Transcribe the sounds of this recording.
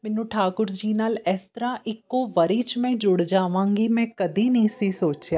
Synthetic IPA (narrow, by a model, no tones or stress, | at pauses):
mɛ̃ːnũːʈʰaːkʊɾd͡ʒiːnaːlɛːst̪ɾaʔɪkːoʋɐɾiːt͡ʃmẽd͡ʒʊɽd͡ʒaːʋãːŋɡimɛ̃ːkɐd̪inɐĩsisoːt͡ʃjaː